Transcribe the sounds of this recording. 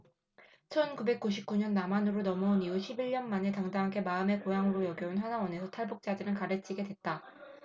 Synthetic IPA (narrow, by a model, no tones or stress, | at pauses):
t͡ɕʰʌnkube̞k̚k͈uɕʰip̚k͈uɲʌnːamanɯɾonʌmʌuniuɕʰibiʎːʌnmane̞taŋdaɦaɡe̞maɯme̞kojaŋɯɾojʌɡjʌunɸwanawʌne̞sʰʌtʰaɭbuk̚t͡ɕ͈adɯɾɯnkaɾɯt͡ɕʰiɡe̞dwe̞t̚t͈a